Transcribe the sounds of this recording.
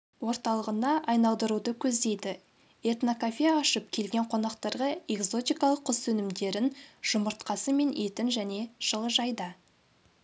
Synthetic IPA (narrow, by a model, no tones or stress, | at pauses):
wo̞ɾt̪ɑlˠəʁənɑʔɑjnɑlˠd̪əɾud̪əkʲʰɵzd̪e̞jd̪ɪ | e̞t̪nokafʲijaːʃəp̚kʲʰe̞lɡʲe̞ɴqʰo̞nɑqt̪ɑɾʁɑe̞kso̞t̪ijkɑlˠəqʰːʊssɵnɪmd̪e̞ɾɪnʒ̥ʊməɾt̪̚qɑsəme̞nʔet̪ɪnʒæne̞ʒ̥əlˠəʒɑjd̪ə